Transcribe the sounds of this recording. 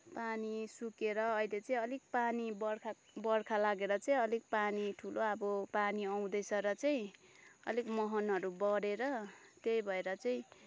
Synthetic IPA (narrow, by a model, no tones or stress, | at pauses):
panisukeɾʌːjlet͡saĩʌlik̚panibʌrkʰa | bʌrkʰalaɡeɾʌt͡saj̃ʌlik̚paniʈʰuloʌbʌpaniʌw̃d̪ʌjsʌɾʌt͡saĩʌ̰likmʌɦʌnɦʌɾubʌɾeɾʌt̪ejbʱʌeɾʌt͡saĩ